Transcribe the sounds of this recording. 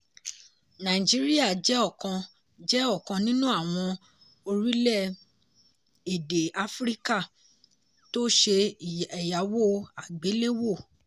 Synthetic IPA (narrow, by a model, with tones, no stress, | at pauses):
nã˨i˨d͡ʒi˨˦ɾi˦a˦˨d͡ʒɛ˦ɔ˦˨kã˧ | d͡ʒɛ˦ɔ˦˨kã˧nĩ˦nũ˦a˦˨w̃ɔ̃˧ | o˧ɾi˦lɛ˦˨ | e˨de˨a˨fɾi˦ka˦˨ | to˦ʃe˧˨ɛ˨ja˨˦wo˦˨a˨ɡ͡be˨˦le˦wo˦˨